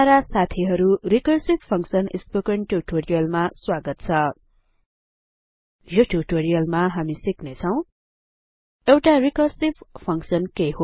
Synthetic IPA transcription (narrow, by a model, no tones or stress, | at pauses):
aɾasat̪ʰiɦʌɾurikʌrsippʰʌŋksʌnispokenʈuʈoɾijʌlmaswaɡʌt̪̚t͡sʰʌ | joʈuʈoɾijʌlmaɦamisiknet͡sʰʌw̃ | ewʈarikʌrsippʰʌŋksʌnkeɦo